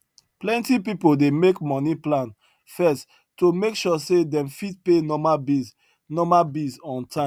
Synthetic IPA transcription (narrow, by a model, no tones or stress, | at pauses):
plɛ̃ntipipodemekmɔniplãn | fɛs | tːomekʃɔsedɛ̃mfid̚penɔmabiz | nɔmabizɔ̃ntʰã